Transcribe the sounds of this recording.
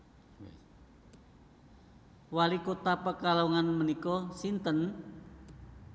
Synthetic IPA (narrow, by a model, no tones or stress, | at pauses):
walikot̪apəkaloŋanmənikɔsint̪ən